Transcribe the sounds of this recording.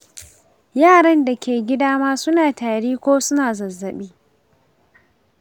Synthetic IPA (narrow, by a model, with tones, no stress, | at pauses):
jaː˦˨ɽɐ˦nda˨kʲʰeː˨ɡʲɪ˦daː˦maː˦sʊ˦naː˨taː˨ɽiː˦kʷoː˦sʊ˦naː˨zɐ˨zːɐ˨ɓiː˦